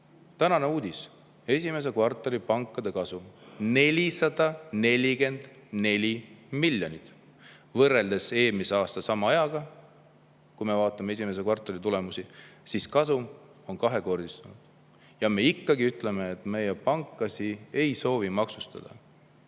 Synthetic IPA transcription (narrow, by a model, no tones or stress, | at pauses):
t̪ænɑne̞uːd̪̥ʲis | e̞sʲime̞s̬e̞kvɑrt̪ːˑoɾipɑŋkːˑɑd̪̥e̞kɑsumne̞lʲisɑd̪̥ɑne̞lʲike̞nd̪̥ne̞lʲimilʲːjo̞nʲit̪ˑ | vɤrːe̞ld̪̥e̞se̞ːlmise̞ɑːst̪ɑsɑmɑɑjɑɡ̥ɑ | kujme̞vɑːt̪ːˑɑme̞e̞s̬ʲimes̬e̞kvɑrt̪ˑːoɾit̪ule̞musisiskɑsum | o̞nkɑɦeko̞rd̪̥ist̪unud̪̥ | jɑme̞ikːɑɡiyt̪le̞me̞ːt̪me̞jepɑŋkːˑɑsie̞jso̞ːvimɑksust̪ɑ̰d̪̥ɑ̰